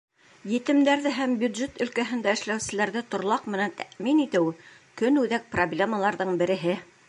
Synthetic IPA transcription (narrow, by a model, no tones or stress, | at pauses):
jɘ̆t̪ɘ̆md̪æɾðɘɦæmbʲjud̪ʒet̪ɵ̆lkæɦɘ̆nd̪æɘ̆ʃlæwsɘ̆læɾðɘt̪ŏɾlˠɑqmɘ̆nænt̪ʰæʔminit̪ɘw | kɵnʉðæk̚problʲeməlˠɑɾðɤɴbɘ̆ɾɘ̆ɦɘ